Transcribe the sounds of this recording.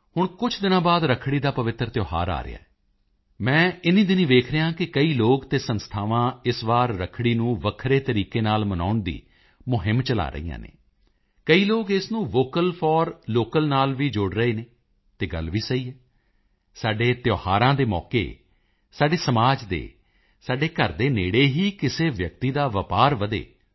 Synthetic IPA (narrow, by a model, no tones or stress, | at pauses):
hʊɳkʊt͡ʃʰd̪ɪnãːbaːd̪ɾəkʰɽiːd̪aːpəʋɪt̪ːɾt̪joːɦa̰ːɾa̰ːɾɪ̰a̰ːɛː | mɛ̃ːɪnĩːd̪ɪniːʋ̪eːkʰɾəjãːkɪkəiːloːɡt̪eːsənst̪ʰaːʋãːɪsʋaːɾːəkʰɽiːnũːʋəkʰɾeːt̪əɾiːkeːnaːlməna̰ːʊɳd̪ḭː | mʊɦɪmt͡ʃəla̰ːɾə̰ḭːã̰ːnḛː | kəiːloːɡɪsnũːʋoːkəlpʰɔːɾloːkəlnaːlʋiːd͡ʒoːɽɾəeːneː | t̪eːɡə̰lʋiːsəiːɦɛː | saːɖeːt̪joːhaːɾãːd̪eːmɔ̰ːkḛː | saːɖeːsəmaːd͡ʒd̪ḛː | saːɖeːkəɾd̪eːnḛːɽeːɦiːkɪseːʋjək̚t̪iːd̪aːʋəpaːɾʋəd̪ḛː